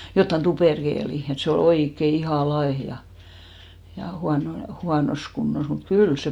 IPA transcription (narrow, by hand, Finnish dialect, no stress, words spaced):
jotːɑn tuperkeːli et se ol oikːe ihɑˑ lɑeh jɑ huɑno huɑnos kunːos mut kyl se